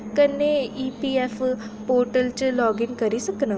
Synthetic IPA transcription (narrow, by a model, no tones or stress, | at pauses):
kənːeiːpiːɛːfʰ | poːɾʈəlt͡ʃlɔːɡɪnkəɾiːsəkna